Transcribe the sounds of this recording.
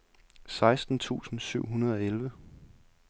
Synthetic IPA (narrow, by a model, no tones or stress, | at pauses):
sɑ̈ɪsd̥n̩t͡sʰṵːsn̩syʊ̰ɦunɐð̞ˠɒ̽elʋə